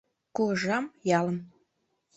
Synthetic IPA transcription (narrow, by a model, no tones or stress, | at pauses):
kuəʒɑmjɑləm